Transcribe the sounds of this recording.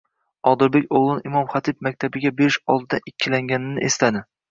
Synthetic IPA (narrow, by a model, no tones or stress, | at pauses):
ɒd̪ɪɾbekʲoʁlˠɪnɪmɒmχat̪ʰɪb̚mak̚ʲt̪ʰabɪɡʲabeɾɪʃɒlˠd̪ɪd̪aʔɪkʲʰːɪlaŋɡʲanɪnɪʔest̪ad̪ɪ